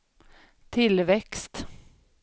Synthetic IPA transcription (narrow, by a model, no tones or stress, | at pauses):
t̪ʰɪlvɛkst̪